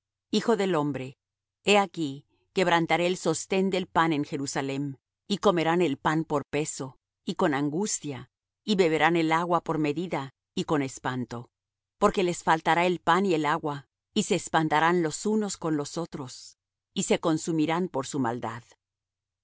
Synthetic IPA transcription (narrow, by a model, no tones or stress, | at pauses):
ixo̞ðe̞lo̞mbɾe̞ | e̞aki | ke̞βɾant̪aɾeːlso̞st̪e̞nd̪e̞lpane̞ŋxe̞ɾusale̞m | iko̞me̞ɾane̞lpanpo̞ɾpe̞so̞ | iko̞naŋɡust̪ja | iβe̞βe̞ɾane̞laɣwapo̞ɾme̞ðiða | iko̞ne̞spant̪o̞ | po̞ɾke̞le̞sfalt̪aɾaelpanie̞laɣwa | ise̞ːspant̪aɾanlo̞suno̞sko̞nlo̞so̞t̪ɾo̞s | ise̞ko̞nsumiɾanpo̞ɾsuma̰ld̪að